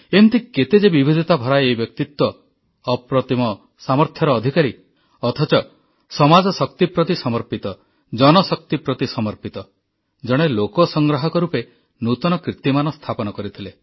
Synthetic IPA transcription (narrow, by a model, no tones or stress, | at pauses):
emt̪ʰiket̪ed͡ʒebibʱid̪ʱɔt̪abʱɔɾaejbjɔk̚t̪it̪wɔː | pɾɔt̪imɔ | samɔɾt̪ʰjɔɾɔːd̪ʱikaɾi | ɔt̪ʰɔt͡ʃɔ | sɔmad͡ʒɔsɔk̚t̪ipɾɔt̪isɔmɔɾpit̪ɔ | d͡ʒɔnɔsɔk̚t̪ipɾɔt̪isɔmɔɾpit̪ɔ | d͡ʒɔɽ̃elokɔsɔŋɡɾɔɦɔkɔɾupe | nut̪ɔnɔkɾit̪imanɔst̪ʰapɔnɔkɔɾit̪ʰile